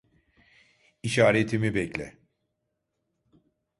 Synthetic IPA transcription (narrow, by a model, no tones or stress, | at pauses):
iʃaːɾet̪ʰimibɛclʲɛ̰